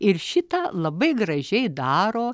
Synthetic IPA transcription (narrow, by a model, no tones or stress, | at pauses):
ɪɾʃʲɪt̪ɑːlˠɐbɐɪɡɾɐʒʲɛɪd̪ɑːɾoː